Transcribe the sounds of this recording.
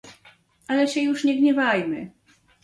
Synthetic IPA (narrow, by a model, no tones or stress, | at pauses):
alɛɕɛjuʂɲɛɡɲɛvajmɘ